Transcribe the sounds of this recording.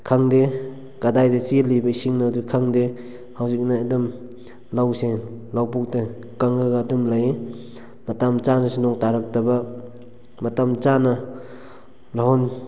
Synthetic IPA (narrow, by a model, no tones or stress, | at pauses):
kʰaŋde | kadajdet͡ʃilibɐisiŋnadukʰaŋde | hawzik̚naːdum | lawselawpuk̚te | kaŋɡaɡadumlaje | matamt͡ʃanasunɔŋtaɾak̚tɐbɐ | matamt͡ʃanɐ | laɦɔn